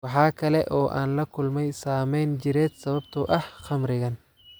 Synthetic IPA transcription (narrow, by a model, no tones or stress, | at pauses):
wɑħɑːkʰɐlɛʔɔːʔa̰ːnlɐkʰʊlmɛjsaːmɛjnt͡ʃɪɾɛːd̪sɐβɐbt̪ʰʊʔɐhχɑmɾɪɣɐn